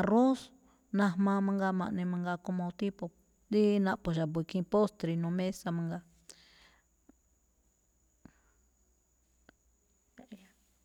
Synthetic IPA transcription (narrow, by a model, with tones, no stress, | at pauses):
a˧ro˦s | nã˧hmã˧mã˧˦ŋɡa˧mã̰˧ʔnẽ˧mã˧ŋɡa˧ko˧mõ˧t̪i˦po˧ | d̪i˦nã˧ʔpo˧˨ʒa˨βi˧kĩ˧po˦st̪ɾi˧nũ˨˧mẽ˦sa˧mã˧ŋɡa˧ | ja˧